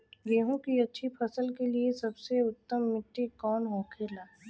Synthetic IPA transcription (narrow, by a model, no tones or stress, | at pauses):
ɡeːɦõkiɐtːʃʰipʰɐsəlkeliesɐbseʊt̪ːəmːɪʈːikɔːnɦõːkʰelaː